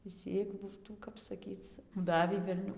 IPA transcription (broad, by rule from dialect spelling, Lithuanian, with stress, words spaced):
ɪʃʲˈsʲiːk ˈbuːtuː ˈkɐp sɐˈkʲiːt͡s ˈdɑːʋʲiː ʋʲɛlʲˈnʲʊ